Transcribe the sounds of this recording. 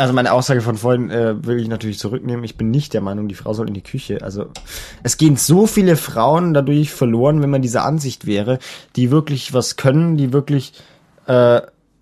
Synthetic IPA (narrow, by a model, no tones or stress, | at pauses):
ʔalzomaɪnəʔaʊsz̥aːɡəfɔnfoɐhɪnʔɛːvɪlɪçnatʰyːɐlɪçt͡suʁ̞ʏkneːmənɪçb̥ɪnːɪçt̚d̥eːɐmaɪnʊŋdiːfʁ̥a̰ʊzɔlʔɪndiːkʰʏçəʔa̰lzoʔɛsɡ̥eːənzoːfiːləfʁ̥aʊəndadʊɐçfɛɐloːʁənvɛnmandiːzɐ̰ʔa̰nzɪçtv̥ɛːʁ̞əd̥iːvɪɐklɪçvaskʰœnəndiːvɪɐklɪç | ʔɛː